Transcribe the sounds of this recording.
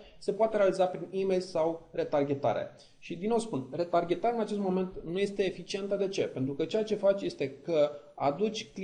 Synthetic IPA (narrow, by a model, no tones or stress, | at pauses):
se̞poat̪e̞ɾe̞alizapɾinime̞jlsawre̞t̪arɡʲe̞t̪a̰ɾḛ | ʃid̪ino̞wspunre̞t̪arɡʲe̞t̪aɾeɨnat͡ʃe̞st̪mo̞me̞nt̪nuje̞st̪e̞ːfit͡ʃie̞nt̪əd̪e̞t͡ʃe̞pent̪ɾukət͡ʃe̞jat͡ʃe̞fat͡ʃʲje̞st̪e̞kəa̰d̪ut͡ʃʲkl